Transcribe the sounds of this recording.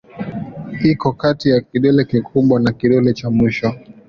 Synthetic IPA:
ikɔkatijakiɗɛlɛkikʰuɓwanakiɗɛlɛt͡ʃamiʃɔ

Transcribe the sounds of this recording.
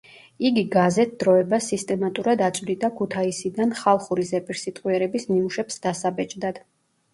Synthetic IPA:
iɡiɡazɛt̪̚ʰd̪̥ɾɔɛbasist̪ʼɛmat̪ʼuɾad̪at̪sʼvlid̪akʰut̪ʰaisid̪anχalˠχuɾizɛpʼiɾsit̪ʼqʼwiɛɾɛbismimuʃɛpsd̪asabɛt͡ʃʼd̪ad̪̥

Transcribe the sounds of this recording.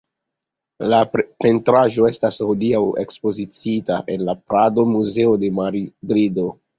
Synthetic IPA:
lape̞ntɾaʒo̞e̞stashodiawe̞̰kspo̞zit͡sitaʔe̞nlapɾado̞muze̞ode̞maɾidɾido̞

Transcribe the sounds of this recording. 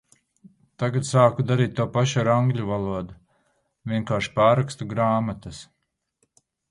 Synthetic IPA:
t̪aɡat̪saːkud̪aɾiːt̪̚t̪ːuɔpaʃaɾaŋɡlʲuvalˠuɔd̪u | vʲiɛŋkaːɾʃpaːɾakst̪uɡɾaːmat̪as

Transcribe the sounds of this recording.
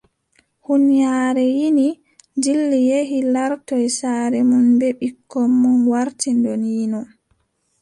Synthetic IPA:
hunjaːɾɛjini | d͡ʒilːijeɦilaɾtɔjsaːɾɛmunbɛɓikʰːɔmːunwaɾtindɔnjinɔ

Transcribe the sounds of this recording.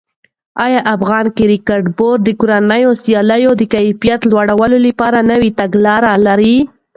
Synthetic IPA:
ɑjɑʔafɣɑnkɪɾikɑɾɖboɾd̪əkoɾanəjosjɑləjod̪əkajfijat̪lwaɽawəlolapɑɾanəwit̪aɡlɑɾalaɾi

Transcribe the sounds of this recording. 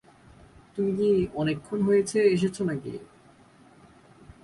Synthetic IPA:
t̪umikiɔnekʰːonɦojet͡ɕʰeeʃ̬et͡ɕʰonakḭ

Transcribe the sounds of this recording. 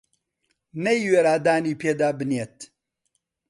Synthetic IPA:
nɐjweːɾaːd̪aːniːpʰeːd̪aːbɨnet̪

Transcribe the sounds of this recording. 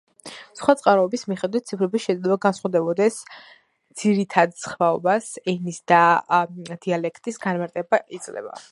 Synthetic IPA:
sχwat̪sʼqʼaɾɔɛbismiχɛd̪wit̪̚t̪sʰipʰɾɛbisʃɛd̪lɛbaɡansχwad̪ɛbɔd̪ɛs | d̪z̥iɾit̪ʰad̪sχvaɔbasɛnisd̪a | d̪̥ialɛkʰt̪ʼisɡanmaɾt̪ʼɛbaʔit̪sʼlɛ̰ba̰

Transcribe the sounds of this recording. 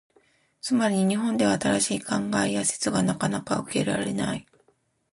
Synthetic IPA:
t͡sɨmaɾʲiɲiɲ̟iɦõ̞nd̪e̞βaːt̪aɾaɕiːkãŋɡaejase̥t͡sɨɡanakanaka̰ɯ̟ke̞̰ɾa̰ɾe̞̰nai

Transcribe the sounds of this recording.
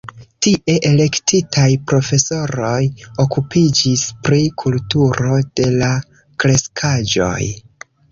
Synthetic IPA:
tiʔe̞ʔe̞le̞ktitʰajpɾo̞fe̞so̞ɾo̞jo̞kupʰid͡ʒispɾikʰultuɾo̞d̥e̞la | kɾe̞skʰad͡ʒo̞̰j

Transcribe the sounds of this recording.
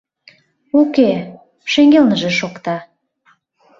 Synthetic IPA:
oke | ʃeŋɡʲelnəʒĕʃokt̪ɑ

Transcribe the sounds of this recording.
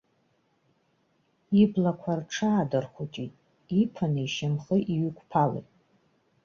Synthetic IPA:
iblakʷʰarʈ͡ʂʰaːdɨrχut͡ʃʼitʼ | ipʰanɨiʃamχəʔiɥʏkʷpʰalḛjtʼ

